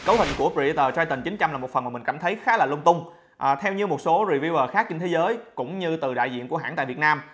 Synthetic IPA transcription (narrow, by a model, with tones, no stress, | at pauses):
kə˨˦whï˨˩ŋ̟ku˧˩əpi˧˨˧t̪əː˨˩t͡ɕaː˧jt̪i˨˩ŋt͡ɕi˨˦ŋ̟t͡ɕa˧mlaː˨˩mo˨˩t̚fə˨˩nma˨˩mï˨˩ŋ̟kaː˧˩mt̪ʰə˨˦jxaː˨˦laː˨˩lʊ˧ŋ͡mt̪ʊ˧ŋ͡m | ʔt̪ʰɛ˧wɲɨ˧mo˨˩t̚so˨˦zi˨˩vi˧wvəː˨˩xaː˦˥k̚t͡ɕe˧ŋt̪ʰe˨˦zəː˨˦jkʊ̰˧˥ŋ͡mɲɨ˧t̪ɨ˨˩ɗa̰ː˧˨jzḭ˧˨əku˧˩əɦa̰ː˧˥nt̪ːvt̚naː˧m